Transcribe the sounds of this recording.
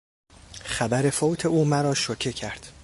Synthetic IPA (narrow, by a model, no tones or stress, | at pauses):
χæbæɾe̞foːwt̪ʰe̞uːmæɾɒːʃocʰecʰæɾd̪̥